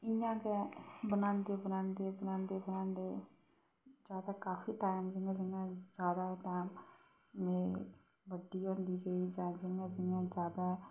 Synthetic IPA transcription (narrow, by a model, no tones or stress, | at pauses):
ɪjãːkebənãːnd̪eːbənaːnd̪eːbənãːnd̪eːbənaːnd̪eː | d͡ʒaːd̪aːkaːfʰiːʈaːɪmd͡ʒɪŋɡãd͡ʒɪãːd͡ʒaːd̪aːʈaːmː | ẽː | ʋəɖiːɦõːnd̪iːd͡ʒaːiːd͡ʒãːd͡ʒɪŋɡãːd͡ʒɪãːd͡ʒaːd̪aː